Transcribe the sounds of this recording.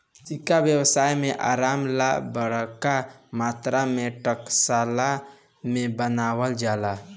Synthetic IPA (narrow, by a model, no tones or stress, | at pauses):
sikabjəwsaːjmeʔa̰ːɾaːmlabəɽkamat̪ɾameʈəksala | mẽbənaːwəld͡ʒaːla